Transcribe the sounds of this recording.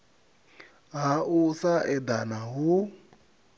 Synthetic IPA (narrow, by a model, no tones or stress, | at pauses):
ɦaʔusaɛd̪anaɦu